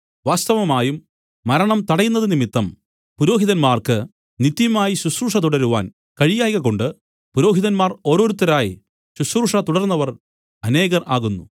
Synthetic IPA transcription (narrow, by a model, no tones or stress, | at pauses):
ʋaːst̪ɐʋɐmaːjumː | ɐɾɐɳɐmt̪ɐɽɐjunːɐðɨnimit̪ːɐm | puɾo̞ːɦiðɐnmaːrkɨ | nit̪ːjɐmaːjiɕusruːʂɐt̪uɽɐɾuʋa̰ːn | kɐɻijaːjɣɐɣo̞ɳɖɨ | puɾo̞ːɦiðɐnmaːro̞ːɾo̞ːɾut̪ːɐɾaːjḭ | ɕusruːʂɐt̪uɽɐɾnːɐʋɐr | ɐne̞ːɣɐraːɣunːu